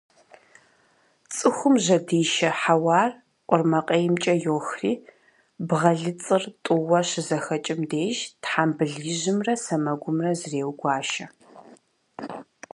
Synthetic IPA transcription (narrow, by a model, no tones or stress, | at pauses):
t͡sʼɨxʷʊmʑɐdiːʃɐħawɑːr | qʷʼɔrmɐqʼɐjɪmt͡ʃʼɐjoːxriː | bʁɐɮɨt͡sʼɨrtʼʊwɐɕɪzɐxɐt͡ʃʼɪmdeːʒtħaːmbɨɮiːʑɪmrɐsɐmɐɡʷʊmrɐzreːwɡʷɑːʃɐ